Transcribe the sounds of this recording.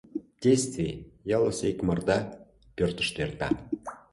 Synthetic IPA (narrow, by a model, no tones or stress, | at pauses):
d̥ʲejst̪vʲijɑlˠəsekmərd̪ɑ | pʲørt̪ə̥̆ʃt̪ert̪ɑ